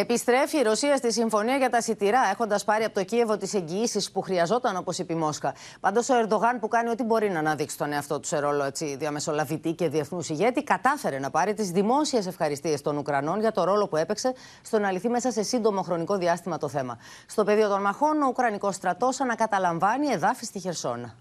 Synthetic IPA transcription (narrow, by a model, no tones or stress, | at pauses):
e̞pist̪ɾe̞fiːɾo̞siɐst̪isiɱfo̞niɐʝɐt̪ɐsit̪iɾɐe̞xo̞nd̪ɐspɐɾiɐpot̪ocie̞vo̞t̪ise̞ɲɟiːsispuxɾiɐzo̞t̪ɐno̞po̞sipimo̞skɐ | pɐnd̪o̞so̞e̞ɾðo̞ɣɐnpukɐnio̞t̪ibo̞ɾinɐːnɐðiksi̥t̪oneɐft̪o̞t̪u̥seɾo̞lo̞e̞t͡siðiɐme̞so̞lɐvit̪ice̞ðie̞θnusiʝe̞t̪ikɐt̪ɐfe̞ɾe̞nɐpɐɾit̪izðimo̞sie̞s̬e̞fxɐɾist̪ie̞st̪o̞nukɾɐno̞nʝɐt̪o̞ɾo̞lo̞pue̞pekse̞ | st̪o̞nɐliθime̞sɐse̞sind̪o̞mo̞xɾo̞niko̞ðiɐst̪imɐt̪o̞θe̞mɐ̰ | st̪o̞pe̞ðio̞t̪o̞nmɐxo̞no̞ukɾɐniko̞st̪ɾɐt̪o̞sɐnɐkɐt̪ɐlɐɱvɐnie̞ðɐfist̪içe̞ɾso̞̰nɐ